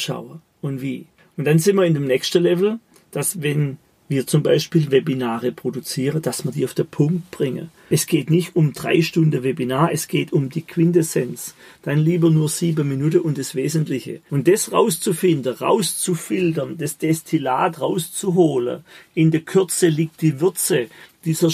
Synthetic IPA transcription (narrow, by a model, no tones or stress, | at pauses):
ʃa̰ʊə | ʊntviː | ʔʊnd̥anzɪnmɐɪndemnɛçstəlɛvl̩ | d̥asvɛn | viːɐt͡sʊmbaɪʃpiːlvebinaːʁəpʁ̥odut͡siːʁəd̥asmiɐdiːaʊfd̥enpʰʊŋk̚t̚b̥ʁɪŋə̰ | ʔɛsɡ̥eːtnɪçtʊmd̥ʁa̰ɪʃtʊndəvebinaːɐʔɛsɡ̥eːtʊmdiːkʰwɪndesɛnsd̥anliːbɐnuːɐziːbəminuːtəʔʊntd̥asv̥eːzəntlɪçə̰ʊnd̥ɛsʁa̰ʊst͡sufɪndəʁa̰ʊst͡sufɪltɐnd̥asd̥ɛstʰilaːtʁaʊst͡suɦoːlə̰ʔɪndəɐkʰʏɐt͡səliːk̚t̚d̥iːvʏɐt͡səd̥iːz̥ɐ